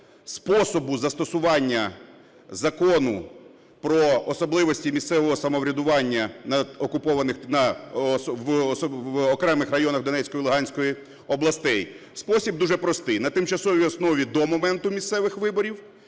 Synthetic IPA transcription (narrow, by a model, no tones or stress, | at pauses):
spɔsɔbʊzɐst̪ɔsʊʋɑnʲːɐ | zɐkɔnʊ | pɾɔːsɔblˠɪʋɔsʲtʲimʲist̪sɛʋɔɦɔsɐmɔʋɾʲɐd̪ʊʋɑnʲːɐnɐɔkʊpɔʋɐnɪxnɐsʋɔsɔɔkɾɛmɪxrɐjɔnɐxd̪ɔnɛt͡ssʲkɔjilˠʊɦɑnʲsʲkɔji | ɔblˠɐst̪ɛj | spɔsʲib̚d̪uʒɛpɾɔst̪ɪjnɐt̪ɪmt͡ʃɐsɔʋʲiɔsnɔʋʲid̪ɔmɔmɛnt̪ʊmʲist̪sɛʋɪxʋɪbɔɾʲiw